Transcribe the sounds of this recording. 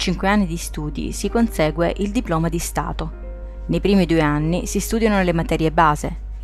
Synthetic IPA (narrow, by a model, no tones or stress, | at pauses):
t͡ʃiŋkweanːid̪ist̪uːd̪ḭsikonsɛːɡweʔild̪iplɔːmad̪ist̪a̰ːt̪o | nejpɾiːmid̪uːeanːḭsist̪uːd̪janonelemat̪ɛːɾjebaːzḛ